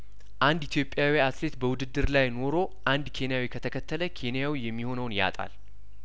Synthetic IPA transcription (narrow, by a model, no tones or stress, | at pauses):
ʔand̪it̪ʰjo̞pʼːjawiasle̞t̪bəwʊd̪ɨd̪ːɨɾlajno̞ɾo̞ʔand̪kʰe̞nijawikʰət̪ʰəkʰət̪ʰːələkʰe̞nijawijɛmːiho̞nəwnja̰t̪ʼa̰l